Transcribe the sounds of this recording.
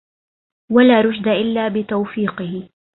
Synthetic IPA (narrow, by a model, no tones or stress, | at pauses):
walaːɾˤʊd͡ʒd̪aʔɪlːaːbɪt̪awfiːqɨhɪ